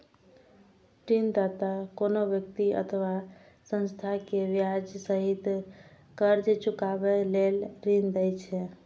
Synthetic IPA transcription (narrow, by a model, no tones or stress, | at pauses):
ʈind̪at̪akonobjək̚t̪iə̰t̪ʰəʋa | sə̃nst̪ʰakeʋjad͡ʒsəɦit̪ | kəɾd͡ʒet͡ʃukabɛlelɾind̪əjt͡ʃʰɛ